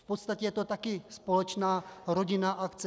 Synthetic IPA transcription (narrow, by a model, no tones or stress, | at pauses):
fpot̪st̪acɛjɛt̪ot̪akɪspolɛt͡ʃnaːɾoɟɪnaʔakt̪t͡sɛ